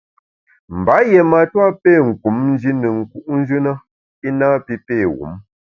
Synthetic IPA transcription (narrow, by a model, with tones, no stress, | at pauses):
m̩˨ba˨˦je˨ma˨twa˦pe˦˨ŋ̩˨ku˨˦mn˦d͡ʒi˦nə˨ŋ̩˨ku˦ʔn̩˦d͡ʒʉ˦na˦ | i˦naː˦pi˦peː˦˨wṵ˨˦m